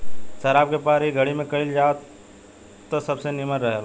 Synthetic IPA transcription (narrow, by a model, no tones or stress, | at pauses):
sɐɾaːp̚kepaːɾiɡʱɐɽimẽkɐild͡ʒaːt | t̪ːosɐbsenɪməɾɾəɦe